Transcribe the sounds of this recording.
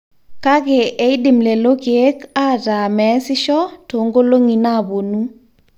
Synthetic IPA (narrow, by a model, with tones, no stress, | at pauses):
ka˦ɡɛ˨ʔe˦i˦dɪ˨mle˨lo˦ke˨e˦ka˦ta˨mɛ˨˦sɪ˦ʃɔ˦to˨ŋɡo˦lo˦ŋi˨na˦˨bo˨nu˦